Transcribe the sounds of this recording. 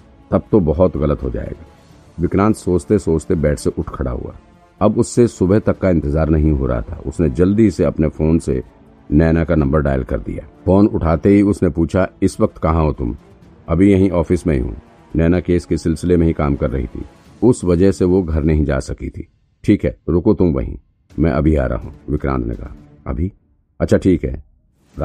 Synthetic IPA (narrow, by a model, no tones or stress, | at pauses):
t̪ɐb̚t̪obɐɦɔt̪ɣɐlət̪ɦod͡ʒa̰ːḛːɡaː | ʋɪkɾãːnt̪soːt͡ʃt̪esoːt͡ʃt̪ebɛːʈʰseʔʊʈʰkʰɐɽa̰ɦṵa̰ː | ɐbʊsːesʊbəɦt̪ɐkːaɪ̃nt̪ɪzaːɾnɐɦĩɦo̰ɾɐ̰ɦa̰t̪ʰa̰ʊ̰sned͡ʒɐld̪iseɐpnefoːnsḛ | nɛːnakanɐ̃mbəɾɖa̰ːjlkɐ̰ɾd̪ḭja̰ːfoːnʊʈʰaːt̪eɦiʊsnepuːt͡ʃʰaɪsʋɐk̚t̪kɐɦãɦot̪ʊm | ɐbʱijɐɦĩʔɔːfɪsmẽḭɦṵ̃ː | nɛːnakeːskesɪlsɪlemẽɦĩkaːmkɐɾːɐ̰ɦḭt̪ʰḭ | ʊsʋɐd͡ʒəɦseʋoɡʱɐɾnɐɦĩd͡ʒa̰ːsɐkit̪ʰḭː | ʈʰiːkɦɛːɾʊkot̪ʊmʋɐ̰ɦḭ̃ | mɛ̃ʔɐbʱia̰ːɾa̰ɦṵ̃ːʋɪkɾã̰ːnt̪nḛkɐ̰ɦa | ɐ̰bʱi | ɐtːʃʰaʈʰiːkɦɛ̰ː | ɾ